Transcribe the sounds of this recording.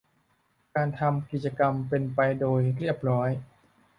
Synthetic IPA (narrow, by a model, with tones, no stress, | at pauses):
kaː˧nt̪ʰa˧mki˨˩t͡ɕa˧ka˧mpe˧npa˧jdoː˧jɾi˥˩p̚ɾɔː˦˥j